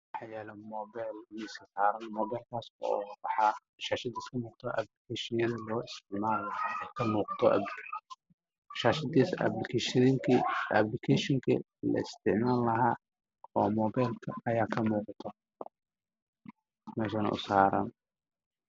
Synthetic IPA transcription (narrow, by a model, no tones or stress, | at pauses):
wɑħɑjɛːlɐmɔːbɛjlnɛsɐsaːɾɐnmɔːbɛjlkʰaːsɔ̰wɑħɑ | ʃaːʃɐd̪iːskʰɐmuːqt̪ʰɔʔa̰blɪkʰɛʃɪɐðɐlɔːɪst̪ʰɪʕmaːlkʰɐmuːqɑ̥t̪ʰɔʔɐ̰bkʰ | ʃaːʃɐd̪isblɪkʰɛʃðiŋkʰiɐ̰blɪkʰɛʃɪŋkʰɐ̰ | lɐ̰ɪ̰st̪ʰɪʕmaːlːɐɦaː | ɔ̰ːmɔbajlkʰɐɐjaːkʰɐmuːqt̪ʰɔ | mɛːʃɐnɐ̰ʔʊ̰saːɾɐ̰n